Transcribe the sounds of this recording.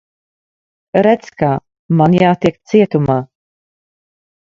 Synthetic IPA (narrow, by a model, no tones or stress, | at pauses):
ɾɛtt͡ska | manjaːt̪ɛk̪t͡siɛt̪uma